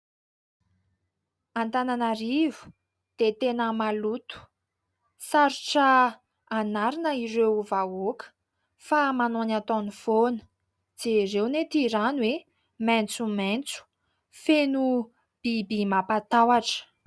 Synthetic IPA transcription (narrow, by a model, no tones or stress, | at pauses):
ant̪ananaɾivu̥ | d̪̥et̪enəmalut̪u̥ | saɾuʈ͡ʂə | anaɾinəiɾewvaokə̥ | famanonat̪onifonə̥ | d͡z̥eɾewnet̪iɾanwe | mɛnt͡sument͡su̥ | fenu | b̥ibimapat̪awaʈ͡ʂə̥